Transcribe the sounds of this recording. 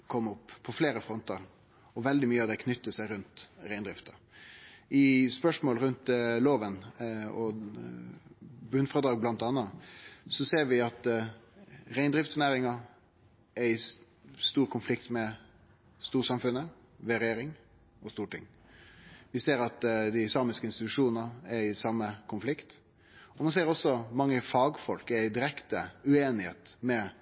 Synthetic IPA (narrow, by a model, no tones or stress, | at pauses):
kʰɔmːɔpːʰɔfleːɾəfɾɔnt̪əɾ | ɔʋɛld̪ɪmyːəɑd̪ɛkʰnʏt̪ːəsæɪɾʉnt̪ɾæɪnd̪ɾɪft̪ɑ | ɪspœʂmoːlɾʉnt̪loːʋənɔ | bʉnːfɔd̪ɾɑːɡ̚blɑnt̪ɑnːɑsɔseːɾʋɪɑt̪ | ɾæɪnd̪ɾɪft̪snæːɾɪŋɑ | ɛɪ | st̪uːɾkʰʊnflɪkt̪mɛ | st̪uːsɑmfʉnːə | ʋɛɾeːɾɪŋ | ɔst̪uːʈʰɪ̰ŋː | ʋɪseːɾɑt̪d̪ɪɪsɑːmɪskəɪnst̪ɪt̪ʉʂuːnnɑæɾɪsɑmːəkʰʊnflɪkt̪ | ɔmɑnseːɾɔsːɔmɑŋːəfɑːɡfɔlkɛɪd̪ɪɾɛkt̪əʉeːnɪhḛːt̪mɛ